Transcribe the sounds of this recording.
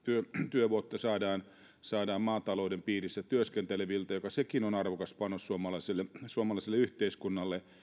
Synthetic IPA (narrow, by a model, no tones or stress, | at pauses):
t̪yøt̪yøʋuot̪ːɑsɑːdɑːn | sɑːdɑːmmɑːt̪ɑloudempiːrisːæt̪yøskent̪eleʋilt̪ɑjokɑsekinonɑrʋokɑspɑnːossuomɑlɑiselːesuomɑlɑˑiselːeyht̪eiskunːɑlːe